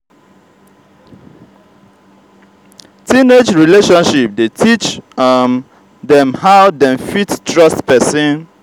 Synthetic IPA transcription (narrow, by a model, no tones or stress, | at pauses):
tĩned͡ʒɹileʃɔ̃nʃip̚detʰit͡ʃ | dɛ̃mhawdɛ̃nfittʰɹʌstpɛsĩn